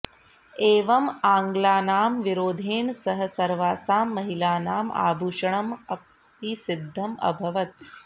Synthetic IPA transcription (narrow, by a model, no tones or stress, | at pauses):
eːʋɐmaːŋɡlaːnaːmʋiɾoːd̪ʱeːnsɐɦɐsɐɾʋaːsaːmːɐɦilaːnaːma̰ːbʱuːʃɐɳɐmɐk̚ | pisid̪ʱːɐmɐ̰bʱɐʋɐt̪̚